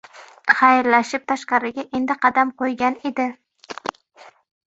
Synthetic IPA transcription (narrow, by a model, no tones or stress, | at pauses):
χɑjɾlaʃɪp̚t̪ʰaʃqɑɾɪɡʲaʔe̞nd̪ɪqʰɑd̪amqʰojɡʲane̞d̪ɪ